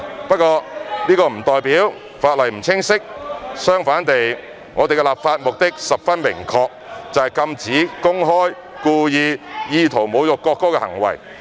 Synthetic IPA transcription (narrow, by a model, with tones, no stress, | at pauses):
pɐ˥t̚kɔː˧niː˥kɔː˧m̩˨˩t̪ɔː˨jpiː˨˥w | faː˧t̚lɐ˨˩jm̩˨˩t͡sʰɪ˥ŋsɪ˥k̚sœː˥ŋfaː˨˥nt̪e˨j | ŋɔː˨˧t̪e˨kɛ˧laː˨p̚faː˧t̚mʊ˨k̚t̪ɪ˥k̚sɐ˨p̚fɐ˥nmɪ̰˨˩ŋkʰɔː˧k̚t͡sɐ˨hɐ˨jkɐ˧mt͡siː˨˥kʊ˥ŋɦɔː˥j | kuː˧jiː˨˧jiː˨˧t̪ʰo˨˩wmo˨˧wjʊ˨kːɔː˧kːɔː˥kɛ˧hɐ̰˨˩ŋwɐ̰˨˩j